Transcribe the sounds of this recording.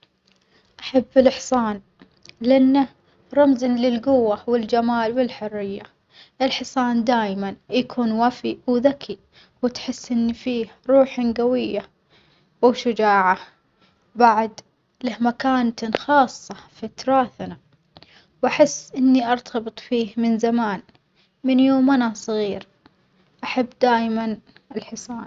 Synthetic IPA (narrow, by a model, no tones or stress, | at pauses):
ʔaħabːɪlɪħsˤɑːn | lɪʔanːa | ɾˤɑmzɪnlɪlɡʊwːawɪld͡ʒamaːlwɪlħʊrːɪjːa | ʔɪlħɪsˤɑːnd̪aːjmanjakʰuːnwafiwðakʰi | wɪt̪ħɪsːʔɪnːifiːhɾˤuːħanɡawɪjːa | wʃʊd͡ʒaːʕa | baʕd̪ | lahmakaːnt̪xɑːsˤːɑfat̪ɾˤɑːθna | wʔaħɪsːʔɪnːiʔɑɾˤt̪ʰɑbɨt̪ˤfiːhmɪnzamaːn | mɪnjoːmʔanasˤɣiːɾ | ʔaħabːd̪aːjman | ɪlħɨsˤɑːn